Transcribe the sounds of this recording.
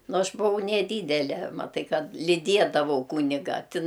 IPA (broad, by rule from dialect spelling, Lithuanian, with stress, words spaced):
ˈnʊ ˈɐʃ bʊˈʋɐʊ nʲɛˈdʲiːdʲɛlʲɛ mɐˈtɐɪ ˈkɐt lʲiːˈdʲiɛdɐʋɐʊ ˈkuːnʲɪɡɐ tʲɪn